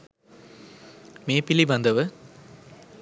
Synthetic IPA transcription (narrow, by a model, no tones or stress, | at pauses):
meːpɪliʋɐnd̪ɐʋɯ